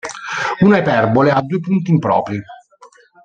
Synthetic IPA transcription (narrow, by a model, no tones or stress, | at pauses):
uːnaepɛrbolead̪ːuːepunt̪̬impɾɔ̰ːpɾi